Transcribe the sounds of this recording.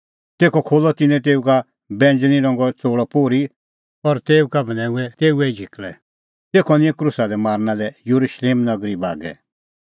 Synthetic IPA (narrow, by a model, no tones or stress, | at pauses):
t̪eːkʰɔkʰoːlɔt̪ɪnɛ̃t̪̬eːuka | bɛ̃ːnd͡ʒniɾɔ̃ŋɡɔt͡soːɽɔpoːɾi | ɔɾt̪eːukabɐnɛ̃ːuɛt̪eːuɛid͡ʒʱiklɛ | t̪eːkʰɔnɪ̃ɛ̃kɾusad̪ɛmaːɾnãlɛjuɾuʃleːmnɐɡɾiba̰ːɡɛ̰